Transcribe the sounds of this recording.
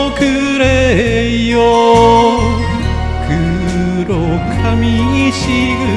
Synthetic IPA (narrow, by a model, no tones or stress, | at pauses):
kɯ | ɾe | jo | kʰɯ | ɾo | kʰamʲiɲiɕi | ɯ